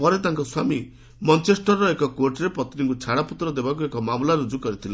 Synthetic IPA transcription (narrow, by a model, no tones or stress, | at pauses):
pɔɾet̪aŋkɔswami | mɔnt͡ʃesʈɔɾːɔekɔkoɾʈɾepɔt̪ɾiŋkut͡ʃʰaɽaput̪ɾɔd̪ebakuekɔmamlaɾud͡ʒukɔɾit̪ʰila